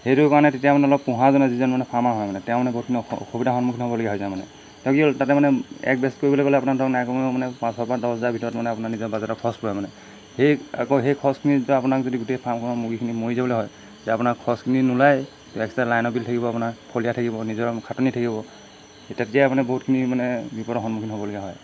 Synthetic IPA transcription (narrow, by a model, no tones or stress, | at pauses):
hetukaɹɔnɛtetijamnɛɔlɔpːuɦazɔnɔzizɔnmanɛpʰamaɦɔjmanɛtɛɔ̃manɛboɦut̚kʰiniɔ̰kʰɔbidaxɔnmukʰinɦɔbɔlaɡiɦɔjzajmanɛ | tɔkiɔltatɛmanɛɛ̰k̚bɛstkoɹibɔlɔjblɛapunadɔknajkɔmmanɛpãsɦɔpadɔszaɹbʱitɔɹɔtmanɛapʊnaɹnizɔɹbazaɹɔkʰɔstpɔɛmanɛ | heja̰koɦejkʰɔskʰinitɔapʊnakzodiɡʊtejpʰamkɔmamuɡikʰinimoɹizableɦɔj | zɛapʊnakʰɔskʰininulaj | tɔɛkʰstalajnɔbiltʰakibɔapunaɹpʰolijatʰakibɔnizɔɹkʰatɔnitʰakibɔ | ejtatʰikɛapanɛboɦut̚kʰinimanɛbipɔɹɔɦɔnmukʰinɦobɔloɡijaɦɔj